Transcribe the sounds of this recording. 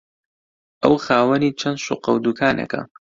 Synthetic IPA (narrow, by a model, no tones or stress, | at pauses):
ʔɐwxaːwɐniːt͡ʃʰɐnd̪ʃuqɐwd̪ukʰaːnʔɐ̰kʰɐ̰